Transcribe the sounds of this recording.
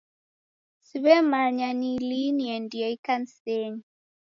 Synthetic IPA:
siβɛmaɲaniliniɛndiɔikanseɲi

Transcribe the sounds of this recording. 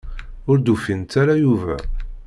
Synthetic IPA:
ʊɾd̪ufint̪æɾæjuvæ̰

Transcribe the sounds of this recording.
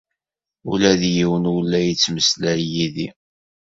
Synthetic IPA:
ṵlæðjiwənwlːæjət͡sːməslæɾjiði

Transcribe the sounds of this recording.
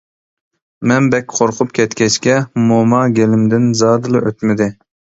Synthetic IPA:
mɛnbɛkʲqʰoɾqʰʊp̚kʲʰɛt̪kʲɛʃkʲɛmomɑɡʲelɪmd̪ɪnzɑːd̪ɨlˠɨʔøt̪mɪd̪ɪ

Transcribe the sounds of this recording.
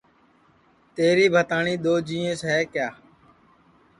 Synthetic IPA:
t̪eːɾiːbʱət̪aːɳiːɗ̪oːd͡ʒĩːẽːsɦɛːkjaː

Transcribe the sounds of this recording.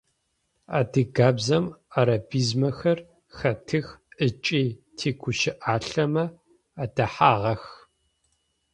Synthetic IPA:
aːdɨɡaːbzɐmaɾɐbiːzmɐxɐr | xɐtʰɨxʔɨt͡ʃʼiːtʰeːkʷʰʊʃɪʔaːɬɐmɐ | adɐħaːʁɐx

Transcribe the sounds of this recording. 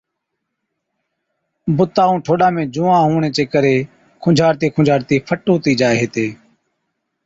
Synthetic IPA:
bʊt̪aːũːʈʰoːɗãːmẽːd͡ʒuːãːɦuːɳeːt͡ʃeːkəɾeː | kʰʊ̃d͡ʒʱaːɾt̪iːkʰʊd͡ʒʱaːɾt̪iːpʰəʈuːt̪iːd͡ʒaːeɦeːt̪eː

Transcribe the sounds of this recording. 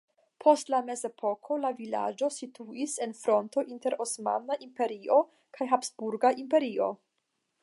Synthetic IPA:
pʰo̞stlame̞ze̞pʰo̞kʰo̞lavila̰d͡ʒo̞situise̞nfɾo̞nto̞ʔinte̞ɾo̞sma̰naʔimpe̞ɾio | kʰajɦapsbuɾɡaʔimpe̞ɾio̞̰

